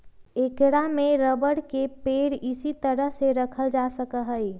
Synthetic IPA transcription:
ekɽameɾəbəɽkepeɽisit̪əɾəɦseɾəkʰəld͡ʒasəkəɦəj

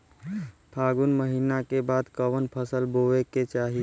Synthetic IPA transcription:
pʰaɡunməɦinakebad̪kəʋənpʰəsəlboeket͡ʃaɦi

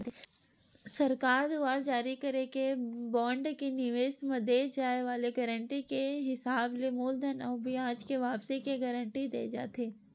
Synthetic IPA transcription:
sɐɾkaːɾd̪uaːɾd͡ʒaːɾikɐɾekebɔ̃ːɳɖkenɪʋeːsməd̪ed͡ʒaːeʋaːleɡəɾəɳʈikeɦɪsaːblemoːld̪ʱənabʱiãːd͡ʒkeʋaːpsikeɡəɾəɳʈid̪ḛːd͡ʒa̰ːt̪eː

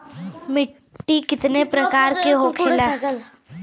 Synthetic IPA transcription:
mɪ | ʈːikɪt̪nepɾɐkaːɾkeɦokʰɪlaː

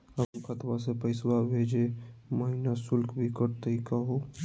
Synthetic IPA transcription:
ənkət̪basepəɪswabʱed͡ʒeməɦinasʊlkbʱikəɾt̪əikəɦo

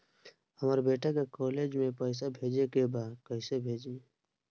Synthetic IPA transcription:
həmaːɾebeːʈakekɔːleːd͡ʒmẽpəɪs̬abʱeːd͡ʒekebaːd̪kəɪsebʱeːd͡ʒiː

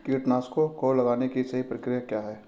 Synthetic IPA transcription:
kiːʈnaːskokoːlɐɡaːnekisɐɦipɾɐkɾijakjaːɦɛː

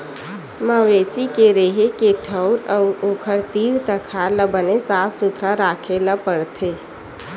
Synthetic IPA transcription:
məʋet͡ʃikeɾeɦekeʈʰəʊɾəʊokʰəɾt̪iɾt̪əkʰaləbənesap̚ʰt͡ʃut̪ʰɾaɾakʰeləpəɽt̪ʰe

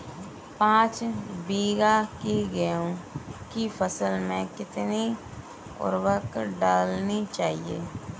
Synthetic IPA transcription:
pãːt͡ʃbiːɡakiɡəjũkifʰəsəlmẽkɪt̪ni | ʊ̰ɾʋəkɖaːlnit͡ʃaːɦiḛː

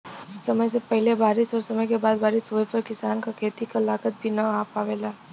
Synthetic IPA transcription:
sɐməjsepɛɦɪlebaːɾɪsɔːɾsɐməjkebaːd̪̚baːɾɪsɦoepəɾkɪsaːnkakʰeːt̪ikalaːkət̪̚bʱinɐaːpaːʋeːlaː

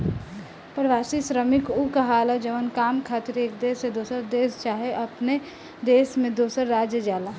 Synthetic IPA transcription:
pɾəʋaːsisɾəmɪkukɐɦaːlad͡ʒəʋənkaːmkʰaːt̪ɪɾeːk̚d̪eːsed̪oːsəɾd̪eːst͡ʃaːɦeʔɐpne | d̪eːsmẽd̪oːsəɾːaːd͡ʒjəd͡ʒaːla

